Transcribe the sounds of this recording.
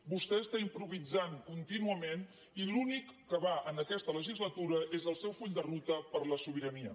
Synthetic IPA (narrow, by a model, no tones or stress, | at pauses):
bust̪ɛəst̪aimpɾuβid͡zaŋkunt̪inuəmen | ilunikːəβaʔənəkɛst̪ələʒizlət̪uɾəʔezəlˠsɛwfuʎd̪ərut̪əpəɾləsuβ̞iɾəniə̰